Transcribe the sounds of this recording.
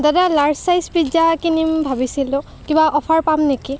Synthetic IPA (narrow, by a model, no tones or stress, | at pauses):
dadalaɹsajspɹizakinimbʱabisilʊ̃ | kibaʔɔpʰaɹpamneki